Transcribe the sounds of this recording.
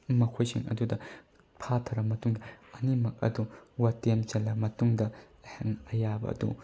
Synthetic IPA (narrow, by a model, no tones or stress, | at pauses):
mɐkʰojsʰiŋʔɐ̰dudɐ | pʰatʰɐɾɐmɐtuŋdɐɐnimɐk̚ɐ̰duwɐtemt͡ʃɐlːɐmɐtuŋdɐ | heŋɐjabɐ̰ɐ̰dṵ